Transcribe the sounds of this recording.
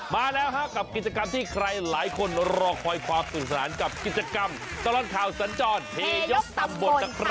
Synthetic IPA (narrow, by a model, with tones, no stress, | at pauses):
maː˧lɛː˦˥wɦa˦˥ka˨˩p̚ki˨˩t̪̚t͡ɕa˧ka˧mt̪ʰiː˥˩kʰɾa˧jlaː˩˦jkʰo˧nɾɔː˧k̚pʰɔː˧jkʰwaː˧msuː˨˩t̚sa˧naː˩˦nka˨˩p̚ki˨˩t̪̚t͡ɕa˧ka˧m | t̪a˧lɔː˨˧˩t̚kʰaː˨˩wsa˩˦nt͡ɕɔː˧npʰeː˧jo˦˥k̚t̪a˧mbo˨˩ta˧p